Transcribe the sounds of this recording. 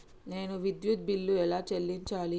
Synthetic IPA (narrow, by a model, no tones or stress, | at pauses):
ne̞ːnuʋid̪jut̪̚bilːuɛlaːt͡ʃelːiɲt͡ʃaːli